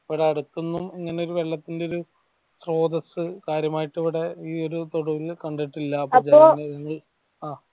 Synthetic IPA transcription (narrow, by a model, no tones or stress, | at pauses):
iʋiɽeɐɽut̪ːunːumiŋːɐne̞o̞ɾuʋe̞ɭːɐt̪ːindeoɾu | sro̞ːd̪ɐsɨkaːɾjɐmaːjiʈːiʋiɽe̞iːo̞ɾut̪oɽuʋilkɐɳɖɐʈːilːɐːpoɐd͡ʑeonɐɐŋːɐɭ | aː